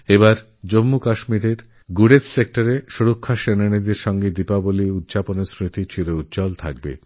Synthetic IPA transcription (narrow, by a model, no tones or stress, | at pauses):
ebaɾ | d͡ʑomːukaʃmiɾeɾ | ɡuɽet̪sek̚ʈaɾeʃuɾokʰːaʃenanid̪eɾʃɔŋɡed̪ipaboliud̪d͡ʑaponesɾit̪it͡ɕʰilout̪ːd͡ʑɔlt̪ʰa̰k̚bḛ